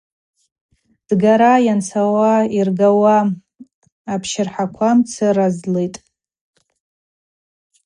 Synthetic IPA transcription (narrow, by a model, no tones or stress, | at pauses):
d̥ɡaɾajant͡sʰawairɡawa | pʰʃɪrħakʷʰamt͡sʰɨrazlejtʼ